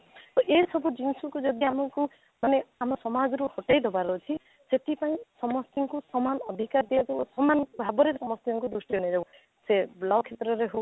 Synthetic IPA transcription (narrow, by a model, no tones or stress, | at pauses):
t̪ɔʔejsɔbʱud͡ʒinsukud͡ʒɔd̪iamɔŋku | maneamɔsɔmad͡ʒɔɾuhoʈajd̪ɔbaɾɔt͡ʃʰi | seʈʰipaĩsɔmɔst̪iŋkusɔmanɔd̪ʱikaɾd̪ijad͡ʒɔsɔmanbʱabɔɾesɔmɔst̪iɔŋkud̪ɾusʈiunid͡ʒabu | selawkʰet̪ɾɔɾeɦo